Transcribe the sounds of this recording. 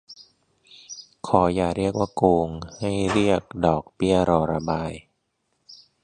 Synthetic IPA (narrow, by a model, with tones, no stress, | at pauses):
kʰɔː˩˦jaː˨˩k̚ɾi˥˩ək̚waː˥˩koː˧ŋha˥˩jɾi˥˩ək̚dɔː˨˩k̚pi˥˩əɾɔː˧˩ɾa˧baː˧j